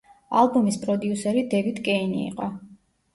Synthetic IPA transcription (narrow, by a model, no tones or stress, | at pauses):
alˠbumispʼɾɔd̪iusɛɾid̪ɛvid̪kʼɛinḭːqʼɔ